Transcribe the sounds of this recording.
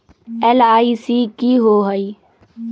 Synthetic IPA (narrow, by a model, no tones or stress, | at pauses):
ɛlaːisiːkiːɦoːɦəi